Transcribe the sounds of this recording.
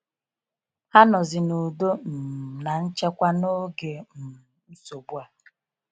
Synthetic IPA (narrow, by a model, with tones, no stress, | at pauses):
ha˦nɔ˨zɪ˨nu˨do˦m̩˨na˨n̩˦t͡ʃe˦kʷa˦no˦ɡe˨m̩˨ | m̩˦so˨bu˦a˨